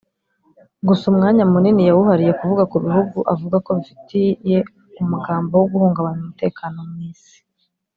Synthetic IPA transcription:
ɡusumŋaːɲamuninijawuhaɾije̞kuvuɡakuβiɦuɡuʔavuɡako̞βifitʰije̞ | umuɡaːmbo̞woɡuhuːŋɡaβaɲumute̞̰ːkaːnomwiːsi̥

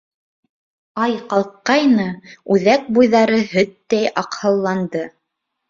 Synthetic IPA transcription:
ɑjqɑlˠq̚qɑjnɤʉðæk̚bujðɑɾɤɦɵt̪ːæjɑqhɤ̆lˠːɑnd̪ɤ

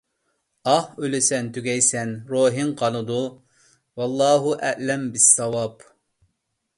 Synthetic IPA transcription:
ɑhølɪsɛnt̪ʰyɡʲɛjsɛnɾoːɦɨŋqʰɑnɨd̪u | wɑlˠːɑːɦuʔæ̰ʔlɛmbɪsːɑwɑp

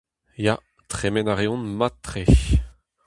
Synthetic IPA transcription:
ja | t̪χemɛnaʁeɔ̃nmat̪ːʁeç

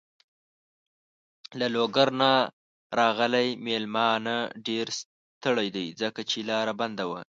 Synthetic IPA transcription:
laloɡaɾna | ɾɑɣəlajmelmɑnaɖeɾs | t̪əɽajd̪ajzəkat͡ʃelɑɾaband̪awa

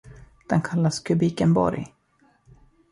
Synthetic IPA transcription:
d̪̥ɛnkʰalːaskʰɵbiːkənbɔ̰ɾjɪ̰

